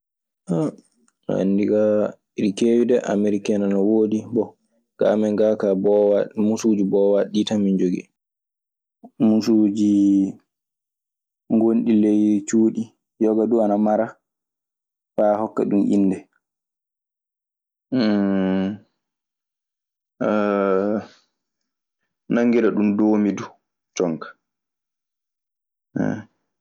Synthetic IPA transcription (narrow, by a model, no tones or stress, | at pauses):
ʔa | a̰ndiɡa | iɾikewidɛʔa̰meɾikɛnanɔwoːdibɔ | ɡ̥a̰mɛŋɡakabɔwmusud͡ʒibɔwaɗitamind͡ʒoɡḭ | musud͡ʒi | ŋɡonɗilejt͡ʃuːɗi | jɔɡaduanamaɾa | faːhɔkːa̰ɗumʔḭnːdɛ | naŋɡidaɗumdoːmidu | t͡ʃɔŋkḁ | ɛ̰